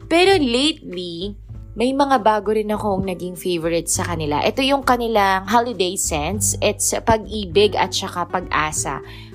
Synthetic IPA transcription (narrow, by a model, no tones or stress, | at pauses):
pɛːɾo̞lejt̪̚li | mɐjmɐŋabaːɡoɾɪnɐko̞ɐŋnɐɡɪŋfejvɔɹɛt̪̚sɐkɐnɪla̰ʔɛt̪o̞jʊŋkɐnɪlaŋɦalɪd̪ejsɛnsʔɛt̪sɐpɐɡ̚ʔiːbɪɡɐ̰t̪̚t͡ʃɐkapɐɡʔaːsɐ̰